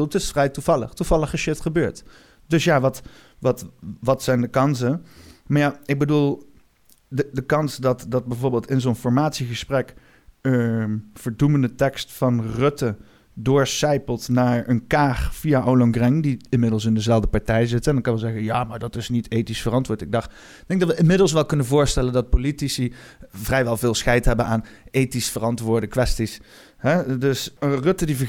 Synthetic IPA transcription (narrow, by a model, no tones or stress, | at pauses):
lˠtɪsfrɛjtuv̥ɑlə̰χtuvɑlˠəχəʃɪtχəbøːɹt | dɵsjaːʋɑt | ʋɑtʋɑtsɛjndəkɑnsəmaɹjaɪɡ̚bədulˠ | ədəkɑnsdɑtdɑd̚bɛjvoːɹbɪːlˠtɪnzonfɔɹmaːtsiχəsprɛk | əv̥əɹduməndətɛkstfɑnrɵtə | dʊːɹsɛjpəlˠtnaːɹənkaːχv̥ijaʔowləŋɡrɛŋdiɪnmɪdəlˠs̬ɪndəzɛlˠvdəpɑɹtɛjzɪtɛndɑnkɑnʋɛzɛɣənjaːmaːɹdɑtɪsnitejtisfərɑntʋʊːɹtɪɡ̚dɑx | d̥ɛ̃ŋɡ̚dɑtʋəʔɪnmɪdlˠsʋɛlˠkɵnənvʊːɹstɛləndɑt̚politisivrɛjʋɛlˠvɪːlˠsxɛjtɦɛbənʔaːnejtisfərɑntʋʊːɹdəkʋɛstis | ɦɛdɵsrɵtədivə